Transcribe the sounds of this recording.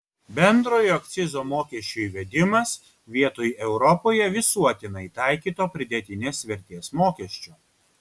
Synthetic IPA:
bʲɛnd̪ɾoːjɔkt̪sʲɪzoːmoːkʲɛʃʲt͡ʃʲuiʋʲɛd̪ʲɪmɐs | ʋʲiɛt̪oːjʔɛʊɾɔpoːjɛʋʲɪsuɔt̪ʲɪnɐɪt̪ɑˑɪkʲiːt̪oːpʲɾʲɪd̪ʲɛt̪ʲɪnʲɛsʋʲɛɾʲt̪ʲiɛsmoːkʲɛʃʲt͡ʃʲoː

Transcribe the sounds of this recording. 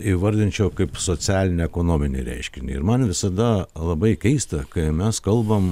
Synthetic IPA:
iʋɐɾʲd̪ʲɪnʲt͡ʃʲɛʊkɐɪpsoːt͡sʲæːlʲɪnʲɪɛkoːnoːmʲɪnʲɪ̰ɾʲɛ̰ɪʃʲkʲɪnʲɪ̰ɪ̰ɾmɐnʋʲɪsɐd̪ɐlˠɐbɐɪkʲɛɪst̪ɐkɐɪmʲɛskɐlˠbɐm

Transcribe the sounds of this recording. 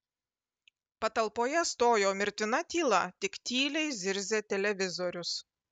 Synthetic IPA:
pɐt̪ɐlˠpoːjɛst̪oːjoːmʲɪɾʲt̪ʲɪnɐt̪ʲiːlˠɐt̪ʲɪkt̪ʲiːlʲɛɪzʲɪɾʲzʲeːt̪ʲɛlʲɛʋʲɪzɔɾʲʊs

